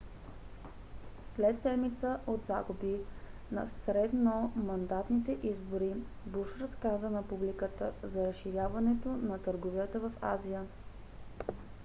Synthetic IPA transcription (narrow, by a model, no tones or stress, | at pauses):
slɛt̪sɛd̪mit̪səʔod̪zaɡubinɐ̰sɾɛd̪nomɐnd̪at̪nit̪ɛʔizboɾi | buʃɾɐskazənɐpublikət̪əzɐɾəsʃːiɾjavɐnɛt̪onɐt̪əɾɡovijət̪əvɐfa̰zijə